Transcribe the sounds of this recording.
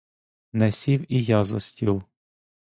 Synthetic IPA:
nɛsʲiwijazɔsʲtʲilˠ

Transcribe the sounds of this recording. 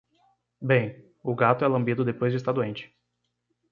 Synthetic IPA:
bẽj̃ | ʊɡat̪ʊɛlɐ̃mbid̪ʊd̪epojzd͡ʒʊɪst̪aɾd̪uẽnt͡ʃɪ̥

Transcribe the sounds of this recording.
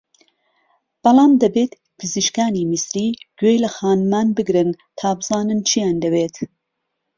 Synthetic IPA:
b̥ɑlˠɑːmd̪ɐbeːt̪ | pʰɨziʃkaːniːmisɾiːɡ̥ejlɐxaːnmaːnbɨɡɾɨn | t̪ʰaːbɨzɑːnɨnt͡ʃʰijaːnd̪ɐbeːt̪

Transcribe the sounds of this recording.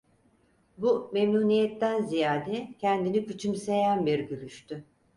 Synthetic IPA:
bumemnuːnijɛt̪ːænzijaːd̪ɛcʰɛnd̪inicyt͡ʃʰymse̞jænbiɾɟylʲyʃt̪ʰy

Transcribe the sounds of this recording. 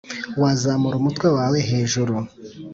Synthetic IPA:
wazamuɾumutkwe̞waːwe̞ɦe̞ːʒuɾu

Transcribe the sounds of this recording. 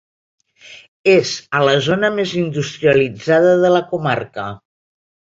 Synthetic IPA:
ezələzonəmezind̪ust̪ɾiəlid͡zaðəðələkumarkə

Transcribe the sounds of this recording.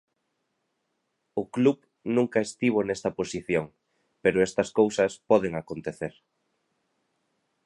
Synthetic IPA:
ʊkluβ | nũŋkɐest̪iβ̞onest̪ɐposiθjoŋ | peɾʊest̪ɐskowsɐspɔðeŋakont̪eθeɾ

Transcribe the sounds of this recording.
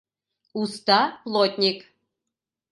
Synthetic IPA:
ust̪ɑplˠot̪ʲnʲik

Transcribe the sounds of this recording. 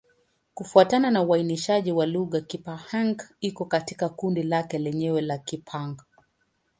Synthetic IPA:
kufuatananauainiʃaʄiwaluɣakipahaŋɡikɔkati̥kakundilakɛlɛɲɛwɛlakipʰaŋɡ

